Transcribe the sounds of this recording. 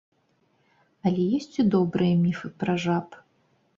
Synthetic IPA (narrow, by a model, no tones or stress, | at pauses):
ɐlʲɛjɛsʲt͡sʲid̪ɔbɾɨjɐmʲifɨpɾɐʐap